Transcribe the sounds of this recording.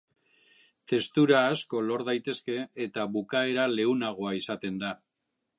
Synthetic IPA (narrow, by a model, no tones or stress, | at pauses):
t̪e̞st̪uɾaːsko̞lo̞ɾðajt̪e̞ske̞ːt̪aβukae̞ɾale̞unaɣ̞o̞aisat̪e̞nd̪a